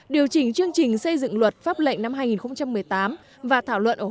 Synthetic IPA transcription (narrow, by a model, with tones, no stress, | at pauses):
ɗi˨˩əwt͡ɕï˨˩ŋ̟t͡ɕɨ˧əŋt͡ɕï˨˩ŋ̟sə˧jzɨ̰˧˨ŋlwə˨˩t̚faː˦˥p̚lə̰˧˨jŋ̟na˧mɦaː˧jŋi˨˩nxə˧wŋ͡mt͡ɕa˧mːɨ˨˩əjt̪aː˨˦m | vaː˨˩t̪ʰaː˧˩wlwə̰˧˨nʔəː˧˩